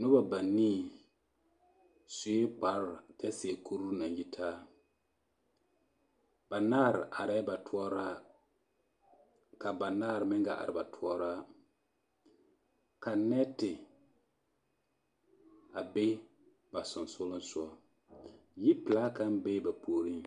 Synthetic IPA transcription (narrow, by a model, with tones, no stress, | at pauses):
nʊ˦ba˨ba˨niː˦˨ | sʊ˨e˦k͡pa˨ɾtɛ˦se˨kʰo˦ɾu˦na˨nji˦tʰaː˦ | b̥a˨naː˦ɾɪ˨ʔa˨ɾɛ˦ba˨tʊ˦ɔ˦ɾa˦ | ka˨ba˨naː˦˨ɾɪ˨mɪ˦ɡa˨ʔa̰˨ɾɪ˨ba˨tʰʊ˦ɔ˦ɾa˦ | ka˨nɛ˦tɪ˨ | a˨be˦ | ba˨sʊ˨nsʊ˦lʊ˦n˦sʊ˦ɔ˦ | ji˦pɪ˨la˦ka˦m˦be˦ba˨poː˦ɾi˦